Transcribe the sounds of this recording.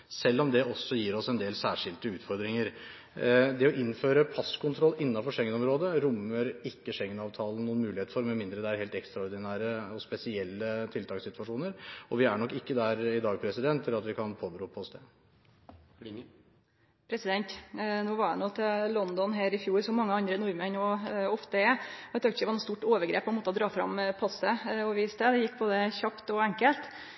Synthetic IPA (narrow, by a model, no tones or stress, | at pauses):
sɛlːɔmd̪ɛɔsːɔjiːɾɔsɛnd̪eːlsæːʂɪlt̪əʉːt̪fɔɾd̪ɾɪŋəɾ | d̪ɛɔʔɪnːføːɾəpʰɑskʰʊnt̪ʰɾɔlːɪnːɑnfɔʂɛŋːənɔmɾoːd̪əɾʊmːəɾɪkːəʂɛŋːənɑːʋt̪ʰɑːlən̩nuːənmʉːlɪheːt̪əfɔɾmɛmɪnd̪ɾəd̪ɛæɾheːlt̪ɛkst̪ɾɑɔɾd̪ɪnæːɾəɔspɛsɪɛlːət̪ʰɪlt̪ʰɑːksɪt̪ʋɑʂuːnəɾɔʋɪæɳɔkːɪkːəd̪æɾɪd̪ɑːɡ̚pʰɾɛsɪd̪ɛnt̪ʰːɪlɑt̪ʋɪkʰɑnpʰoːbəɾuːpʰɔsd̪ɛ | pʰɾɛsɪd̪ɛnt̪noːʋɑɖɛnoːt̪ʰɛlɔnd̪ɔnɦæːɾɪfjuːɾsɔmɑŋːəɑnd̪ɾənʊɾmənɔɔft̪əɛɛt̪ːɑkt̪ɪəɛʋɑnɔst̪uːʈoːʋəɾɡɾḛːpʰːɔɛnmoːt̪ɔd̪ɾɑːfɾɑ̰mpʰɑsəɔʋiːst̪əd̪ɛjɪkːboːd̪əçɑpt̪ɔæŋkəlt̪